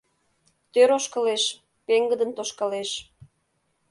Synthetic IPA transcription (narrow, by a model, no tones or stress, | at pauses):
t̪øɾoʃkəleʃ | peŋɡəd̪ənt̪oʃkɑleʃ